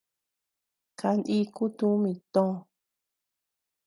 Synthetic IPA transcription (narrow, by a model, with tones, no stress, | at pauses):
kʰa˧nʔĩ˧˦ku˦t̪ũ˦mĩ˧t̪õ˦˧